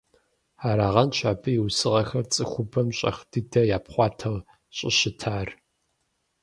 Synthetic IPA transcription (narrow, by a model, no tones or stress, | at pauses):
aːɾaːʁɐnɕaːbɨjɪwsɨʁɐxɐrt͡sʼɨxʷʊbɐmɕʼɐ̰χdɨdɐjaːpχʷɑːtʰɐʁ | ɕʼɪ̰ɕɪtʰaːr